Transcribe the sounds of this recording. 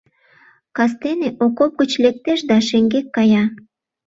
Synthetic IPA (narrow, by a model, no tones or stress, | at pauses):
kɑs̬t̪eneʔokop̚ɡət͡ɕlek̚t̪eʃd̪ɑʃeŋɡekːɑjɑ